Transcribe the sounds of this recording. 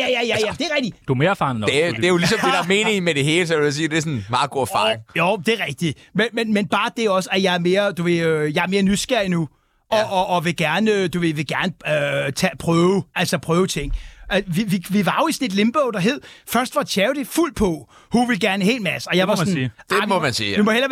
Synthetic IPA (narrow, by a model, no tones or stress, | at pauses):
jæjæjæjæd̥e̝æʁɛɡ̥̚d̥id̥ume̝ːɐfɑn̩e̥e̝jolisɒ̽medɑme̝ːne̝ŋmed̥e̝ɦe̝ːləsɒdus̬iːd̥e̝sɔnmɑ̈ːɡ̥o̝ɐfɑ̰̈ŋjod̥e̝ɐʁɛɡ̥̚d̥i | menmenmenb̥ɑ̈ːd̥e̝æɒ̽səæjɑ̈ɪæɐme̝ːɐd̥uʋe̝øjɑ̈ɪæɐme̝ːɐnysɡ̥æɐ̰inu | ʔɒ̽ʔːʋe̝ɡ̥æɐnəd̥uʋe̝ʋe̝ɡ̥æɐnəøt͡sʰɛpʰʁœːʊʔælsɒpʰʁœːʊət͡sʰe̝ŋ̰æʋiʋiʋiʋɑ̈jo̝isɔne̝d̥le̝mb̥ɔʊd̥ɑ̈ɦe̝ð̰ˠfɶɐsd̥ʋɑ̈t͡sʰɛːʊɾ̥e̝ful̰pʰɒ̽ | huʋe̝lɡ̥æɐnəɦḛːl̥mæsəɒ̽jɑ̈ʋɑsniːdemɔmænsiːdumɒhelɐ